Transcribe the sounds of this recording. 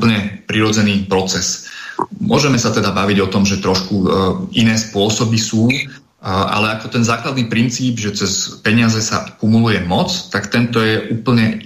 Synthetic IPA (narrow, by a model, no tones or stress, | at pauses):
pl̩ɲɛpɾiɾɔd͡zɛniːpɾɔt͡sɛs | mʊɔ̰ʒɛmɛsat̪ɛd̪abaʋiɟɔt̪ɔmʒɛt̪ɾɔʃkuinɛːspʊɔsɔbisuː | ʔa̰lɛakɔt̪ɛnzaːklad̪niːpɾint͡siːbʒɛt͡sɛspɛɲɪazɛsa̰kumulujɛmɔt͡st̪akt̪ɛnt̪ɔjɛʔuːpl̩ɲɛ